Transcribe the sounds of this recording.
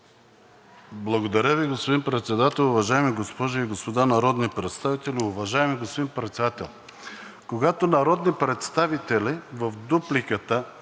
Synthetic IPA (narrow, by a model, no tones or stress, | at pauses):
blˠɐɡod̪ɐɾʲəviɡospod̪inpɾɛt̪sɛd̪at̪ɛlˠʊvɐʒaɛmiɡospɔʒʊiɡospod̪anɐɾɔd̪nipɾɛt̪st̪avit̪ɛliʊvɐʒajmiɡospod̪inpɾɛt̪sɛd̪at̪ɛ̰lˠ | koɡat̪onɐɾɔd̪nipɾɛt̪st̪avit̪ɛlʲivəfd̪uplikət̪ə